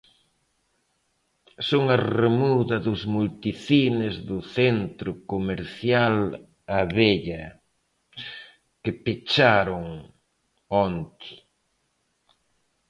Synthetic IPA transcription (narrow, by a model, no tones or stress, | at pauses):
soŋɐremuðɐðʊzmult̪iθinɪzðʊθent̪ɾʊkomeɾθjal | aβeʎɐ | kɪpet͡ʃaɾʊŋ | ont̪ɪ̥